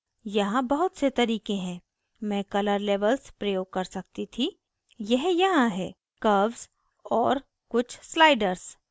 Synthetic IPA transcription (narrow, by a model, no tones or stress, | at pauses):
jɐɦãbɐɦʊt̪set̪ɐɾiːkẽɦɛ̃ː | mɛ̃ːkɐləɾleːʋəlspɾɐjoːɡ̚kɐɾsɐk̚t̪it̪ʰi | jɛɦjɐɦãɦɛː | kɐʋz | ɔːɾ | kʊt͡ʃʰslaːɪɖəɾz